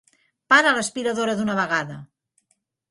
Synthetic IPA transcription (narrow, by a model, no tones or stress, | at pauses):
paɾələspiɾəðoɾəðunəβ̞əɣ̞aðə